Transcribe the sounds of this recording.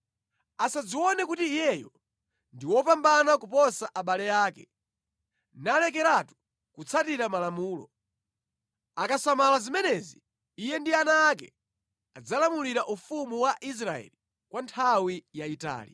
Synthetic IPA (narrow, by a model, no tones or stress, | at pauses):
asad͡ziwɔnɛkutiːjɛjɔ | ndiwɔpambanakupɔsaʔaɓalɛjaːkɛ | nalɛk̬ɛɾatu̥ | kut͡sʰatiɾamalamuːlɔ̰ | akasamalazimɛnɛziː | jɛndianaːk̬ɛ̰ | ad͡zalamuliɾaʔufumuwaʔis̬ɾaɛ̰li | kwantʰawijaita̰ːli